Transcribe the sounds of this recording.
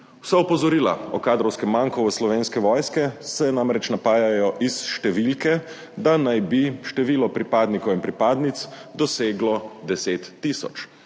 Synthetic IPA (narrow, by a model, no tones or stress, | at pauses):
wsaupɔzɔɾiːla̰ɔkaːd̪ɾɔwskɛmːaŋkɔʋəslɔʋeːnskɛʋɔːjskɛsɛnamɾɛt͡ʃnapaːjajɔʔisʃt̪ɛʋilkɛ | d̪anajbiʃt̪ɛʋiːlɔpɾipaːd̪nikɔwinpɾipaːd̪nit̪sd̪ɔseːɡlɔd̪ɛseːt̪ːisɔ̰t͡ʃ